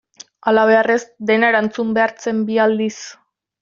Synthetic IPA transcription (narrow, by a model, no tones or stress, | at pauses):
alaβe̞are̞zd̪e̞naɾant͡sumbe̞aɾt͡se̞mbiald̪is